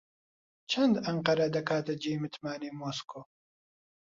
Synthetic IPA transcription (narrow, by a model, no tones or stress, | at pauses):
t͡ʃʰɐnd̪ɐɴqɐɾɐd̪ɐkʰaːt̪ɐd͡ʒejmɨt̪maːnemoːskʰoː